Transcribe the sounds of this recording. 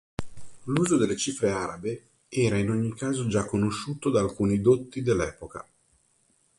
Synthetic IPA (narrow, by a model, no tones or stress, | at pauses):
luːzod̪elːet͡ʃifɾeaɾabe | ɛːɾainoɲːikaːzod͡ʒakːonoʃːuːt̪od̪aːlkuːnid̪ot̪ːid̪elːɛːpoka̰